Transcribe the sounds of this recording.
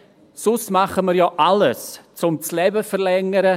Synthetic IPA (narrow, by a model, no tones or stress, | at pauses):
sʊsmaχəməɾjɔːʔaləst͡sʊmt͡slɛbəfəɾlɛŋəɾə